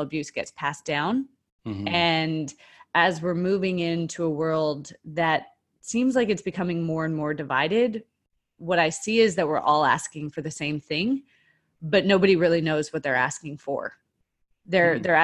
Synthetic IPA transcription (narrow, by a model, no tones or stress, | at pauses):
əbjʉsɡ̥ɛ̰tspʰæsd̥ãʊ̃n | ɨ̃nɨzwɪɹmʉvɪ̃ŋɪ̃ntʰəəwɜ˞lˠd̪̚ðɨt̚ | sĩmzlaɪkɨtsb̥ɨkʰʌmɪ̃ŋmɔɹɨ̃nmɔɹdɨva̰ɪɾɪd̚ | wʌɾaɪsiɪzðɨt̚wɪɹʔɔlˠæ̰skɪ̃ŋfə˞ðɨsẽɪ̃mθɪ̃ŋ | bʌtⁿnoʊbɨɾiɹɪlˠinoʊzwʌt̪̚ðə˞æ̰skɪ̃ŋfə̰˞ | ðə˞ðə˞æ